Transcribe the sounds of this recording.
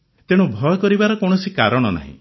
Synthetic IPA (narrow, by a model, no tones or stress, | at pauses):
t̪eɽ̃ũbʱɔjɔkɔɾibaɾɔkɔɽ̃ɔsikaɾɔɽ̃ɔna̰ɦḭ̃